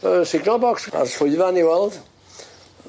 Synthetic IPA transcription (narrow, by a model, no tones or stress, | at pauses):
əsɪɡnəlˠbɔksa̰sfʊjvaniwɛlˠd